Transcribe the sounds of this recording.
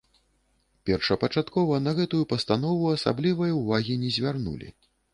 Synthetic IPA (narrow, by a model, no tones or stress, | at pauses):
pʲɛrʂɐpɐt͡ʂat̪kɔvɐnɐɣɛt̪ujupɐst̪an̪ɔvuɐsa̰blʲivɐjɐuvaɣʲinʲɛzʲvʲarnṵlʲḭ